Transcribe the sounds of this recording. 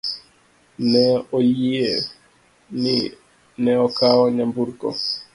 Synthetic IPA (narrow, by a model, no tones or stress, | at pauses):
nɛɔjiɛ | ni | nɛɔkaɔɲambuɾɡɔ̰